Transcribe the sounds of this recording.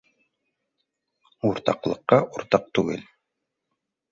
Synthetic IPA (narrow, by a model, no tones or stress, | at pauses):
uɾt̪ɑ̰qlˠɤ̆qːɑʔuɾt̪ɑq̚t̪ʉɡɘl